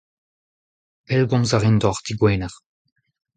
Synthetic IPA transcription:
pɛlɡɔ̃mzaʁindɔʁd̪iɡwɛːnaʁ

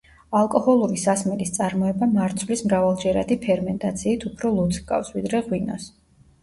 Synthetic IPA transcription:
alˠkʼɔhɔlˠuɾisasmɛlist̪sʼaɾmɔɛbamaɾt̪sʰwvlismɾavalˠd͡ʒɛɾa̰d̪ipʰɛɾmɛnt̪ʼat̪sʰiːt̪ʰupʰɾɔlˠut̪sʰkʼa̰fsvid̪ɾɛʁwinɔ̰s

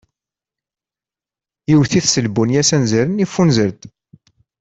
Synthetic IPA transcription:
jiwθiθsəlbunjæsænzəɾənifːunzəɾd̪

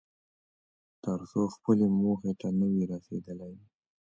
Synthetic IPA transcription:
t̪əɾsoxpəlemoxet̪anəwiɾɑsed̪əlaj

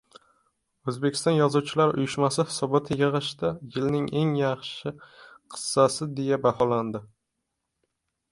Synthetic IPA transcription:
ɵzbekʲʰɪ̥st̪ɒnjɒzuwt͡ʃʰɪlaɾʊ̰jɪʃmasɪhɪ̥sɒbɒt̪ʰɪjɨʁɨʃt̪ajɪlnɪŋe̞ŋjɑχʃɪqʰɨ̥sːasɪd̪e̞jabahɒland̪ɪ

